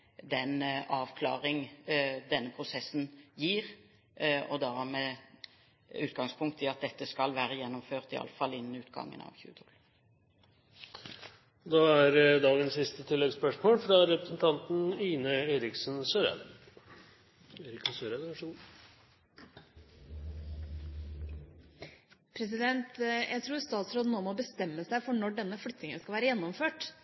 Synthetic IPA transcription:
d̪ɛnɑːʋkʰlɑ̰ːʁɪŋd̪ɛnːəpʰɾʊsɛsːn̩jiːɾ | ɔd̪ɑɑmɛ | ʉːt̪̚ɡɑŋspʰʊŋk̚t̪ʰɪɑt̪̚d̪ɛt̪ːəskɑlʋæːɾəjɛnːɔmføːʁt̪ɪɑ̰lːəfɑlɪnːənʉːt̪ɡɑ̰ŋːə̰nɑ̰ʋçʉ̰ːət̪ʰuːl | d̪ɑæɾd̪ɑːɡənsɪst̪ət̪ʰɪlːɛɡspœʂmoːlfɾɑɾɛpɾəsn̩t̪ʰɑnt̪n̩iːnəeːɾɪksnsøɾæ̰d̪ | eːɾɪksn̩søɾɛd̪ʂu | pʰɾɛs̬ɪd̪ɛnt̪jʔæ̰ɪt̪ʰɾuːɾst̪ɑːt̪sɾoːd̪noːmɔbəst̪ɛmːəsæɪfɔɳɔɖɛnːəflʏt̪nɪŋə̰nskɑlʋæːɾəjɛnːɔmføːʈ

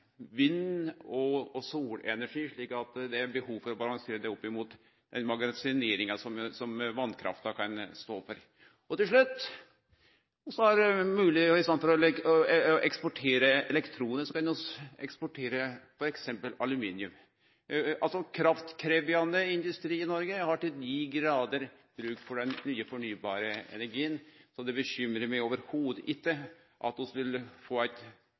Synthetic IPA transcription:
ʋɪnːɔɔsuːlɛnæʂiːʂɭiːkɑt̪d̪ɛæɾbəhuːfɔɾɔbɑlɑŋseːɾəd̪ɛɪɔpːɪmuːt̪ | d̪̥ɛnmɑɡsɪneːɾɪŋɑsɔmsɔmʋɑnːkʰɾɑ̰ft̪ɑkɑnst̪oːfɔɾ | ɔt̪ɪlʂɭʉt̪ː | ɔsɔæɾɖɛmʉːlɪɪst̪ɑnfɔɾɔ | ʔɛkspɔʈʰeːɾəɛlɛkt̪ʰɾuːnəsɔkɑnɛɔsɛkspɔʈʰeːɾəfɔɾɛksɛmpəlɑlʉmiːnɪʉm | ɑlsɔkʰɾɑft̪kʰɾeːʋɪɑnəɪnd̪ʉst̪ɾiːɪnɔɾɡəhɑʈɪliːɡɾɑːd̪əɾ | b̥ɾʉːkfɔɖɛnnyːəfɔɳyːbɑ̰ːɾəɛ̰næɾɡiːənsɔd̪ɛbəɕʏmɾəmæɪoːʋəɾhuːd̪ɪkːə | ʔɑ̰t̪ɔsʋɪlfoːæɪt̪

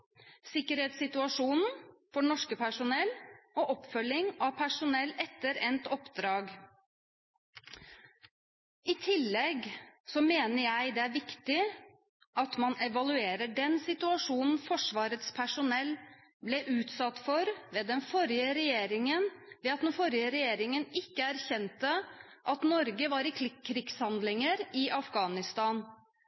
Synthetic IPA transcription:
sɪkːəɾheːt̪sɪt̪ʉɑʂuːnn̩fɔɳɔʂkəpʰæʂʊnɛlɔʔɔpfœlːɪŋɑʋpʰæʂʊnɛlːɛt̪ːəɾɛnt̪ɔpd̪ɾɑːɡ | ɪt̪ʰɪlːɛɡsɔmeːnəɾjæɪd̪ɛæɾʋɪkt̪ɪ | ʔɑt̪mɑnɛʋɑlʉeːɾəɖɛnsɪt̪ʉɑʂuːnn̩fɔʂʋɑːɾət̪spʰæʂʊnɛlː | blɛʔʉːt̪sɑt̪ːfɔɾʋɛːd̪ɛnfɔɾjəɾɛjeːɾɪŋənʋɛːɑt̪̚d̪ɛnfɔɾjəɾɛjeːɾɪŋənɪkːəæɾçɛnt̪ə | ʔɑt̪nɔɾɡəʋɑːɾɪkʰlɪkʰːɾɪɡshɑnd̪lɪŋəɾɪʔɑfɡɑːnɪst̪ɑːn

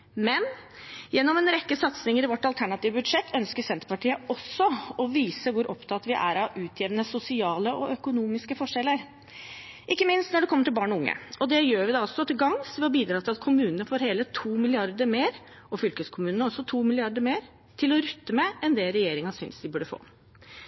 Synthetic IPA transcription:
mɛnjɛnːɔmɛnɾɛkːəsɑt̪snɪŋəɾɪʋɔʈːɑlt̪ʰæɳɑt̪iːʋbʉd̪ʂɛt̪ʰːœnskəsɛnt̪əpɑʈʰiːəʔɔsɔɔʋiːsəʋʊɾʔɔpt̪ʰɑt̪ːʋɪʔæ̰ɾɑʉːt̪ʰjɛːʋənəsʊsɪɑːləʔɔœkʊnuːmɪskəfɔʂɛlːəɾ | ʔɪkːəmɪnst̪nɔɖɛkʰɔmːəʈʰɪlbɑːɳʊŋːə̰ɔd̪ɛjøːɾʋɪd̪ɑɔsːɔt̪ɪɡɑŋsʋɛɔbiːd̪ɾɑːt̪ʰɪlɑt̪kʰʊmʉːnənəfoːɾheːlət̪ʰuːmɪlɪɑɾd̪əɾmeːɾ | ɔfʏlkəskʰʊmʉːnnəɔsːɔt̪ʰuːmɪlɪɑɾd̪əɾmeːɾ | t̪ʰɪlɔɾʏt̪ːəmɛɛnd̪ɛɾɛjeːɾɪŋɑsʏ̰nsd̪ɪbʉɖəfo̰ː

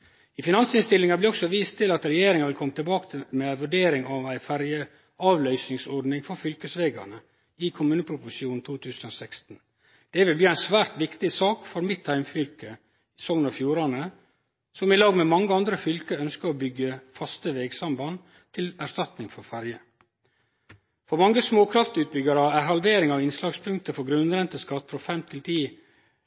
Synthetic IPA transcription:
ɪfɪnɑnsɪnst̪ɪlɪŋɑbliːɔksɔʋiːst̪ʰːɪlɑt̪ɾɛjeːɾɪŋɑʋɪlkʰɔmːət̪ʰːɪbɑːkəmɛʋʉɖeːɾɪŋɑʋæɪfæɾjə | ʔɑːʋlœʏsnɪŋsɔɖnɪŋfɔɾfʏlkəsʋeːɡɑ̰ɳə | ɪkʰʊmʉːnəpʰɾʊpʊʂuːnnt̪ʰuːt̪ʰʉːsən̩oːsɛkst̪n̩ | d̪̥ɛʋɪlbliːæɪnsʋæːɾt̪ʋɪkt̪ɪsɑːkfɔɾmɪt̪ʰːæɪmfʏlkə | sɔŋnɑfjuːɾɑnə | sɔmɪlɑːɡmɛmɑŋːəɑnd̪ɾəfʏlkəœnskəɾɔbʏɡːəfɑst̪əʋɛːɡsɑmbɑn | t̪ʰɪlæʂt̪ɑt̪nɪŋfɔɾfæɾjə | fɔɾmɑŋːəsmoːkʰɾɑft̪ʉːt̪̚bʏɡɑɾɑæɾɦɑlʋeːɾɪŋɑʋɪnslɑːɡspʰʉŋkt̪əfɔɾɡɾʉnɾɛnt̪əskɑt̪ːfɾɔfɛmt̪ʰɪlt̪ʰiː

